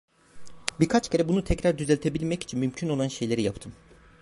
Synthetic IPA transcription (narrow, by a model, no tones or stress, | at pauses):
biɾkʰat͡ʃcʰe̞ɾɛbunut̪ʰɛcɾaɾd̪yzɛlʲt̪ʰebilʲmɛci̥t͡ʃʰinmymcʰyno̞lˠanʃe̞jlʲe̞ɾijapt̪ʰɯm